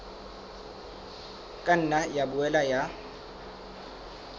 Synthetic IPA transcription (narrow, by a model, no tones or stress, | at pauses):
kʼan̩najabʊɛlaja